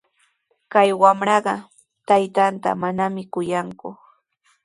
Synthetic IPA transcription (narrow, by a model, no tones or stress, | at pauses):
kajwamɾɑɢɑ | t̪ajt̪ant̪a̰manamɪkʊjaŋkʊ